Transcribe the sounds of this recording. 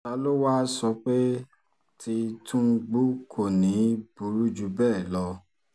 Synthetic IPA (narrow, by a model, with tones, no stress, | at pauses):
ta˧˦lo˦waː˦sɔ˧k͡pe˦ | tʰi˧tũ˦˧ɡ͡bu˦kʰo˦˨nĩ˨˦b̥u˨˦ɾu˦d͡ʒu˧˦bɛː˦˨lɔ˧